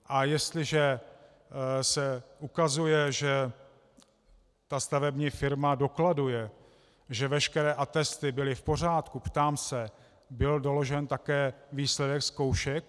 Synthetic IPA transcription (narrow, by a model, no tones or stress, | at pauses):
ʔajɛst̪lɪʒɛ | sɛʔukazujɛʒɛ | t̪ast̪avɛbɲiːfɪɾmado̞kladujɛ | ʒɛvɛʃkɛɾɛːʔat̪ɛst̪ɪbɪlɪfpo̞r̝aːt̪kupt̪aːmsɛ | bɪldo̞lo̞ʒɛnt̪akɛːviːslɛdɛksko̞wʃɛk̚